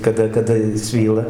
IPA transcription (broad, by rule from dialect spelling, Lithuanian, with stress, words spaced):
kɐˈdɐ kɐˈdɐ jɪs ˈsʲʋʲiːlˠɐ